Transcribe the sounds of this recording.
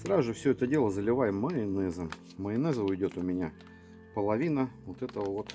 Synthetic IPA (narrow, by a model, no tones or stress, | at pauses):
sɾazʊʐɨfsʲɵɛt̪ədʲe̞lˠəzəlʲɪvajɪmːɐɪnɛzə | mɐɪnɛzəʊjdʲot̪ʊmʲɪnʲa | pəlˠɐvʲinəvot̪ɛt̪əəvot̪